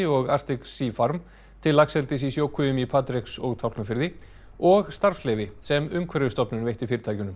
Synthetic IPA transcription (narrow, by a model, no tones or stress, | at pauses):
ɪɔɣar̥t̪ɪksiːfaɾm | t̪ʰɪlːaksɛlt̪ɪs̬isjoːwkʰʏʏmipʰaːt̪ɾɪksɔɣt̪ʰawk̪nafɪɾðɪ | ɔɣst̪aɾ̥fslɛːvɪsɛmʏmkʰvɛɾɪʏst̪ɔpnʏnveht̪ɪfɪɾɪt̪ʰaːjcʏnʏm